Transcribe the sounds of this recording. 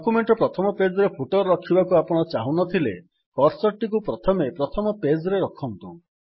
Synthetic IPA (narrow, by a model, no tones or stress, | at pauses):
kumeɳʈɔpɾɔt̪ʰɔmɔped͡ʒɔɾepʰuʈɔɾɔɾɔkʰibakuapɔɽ̃ɔt͡ʃaɦunɔt̪ʰile | kɔɾsɔɾʈikupɾɔt̪ʰɔmepɾɔt̪ʰɔmɔped͡ʒɔɾeɾɔkʰɔnt̪u